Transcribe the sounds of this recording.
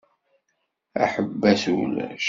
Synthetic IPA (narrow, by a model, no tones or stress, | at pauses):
æ̰ħəbːæθul̰ʃ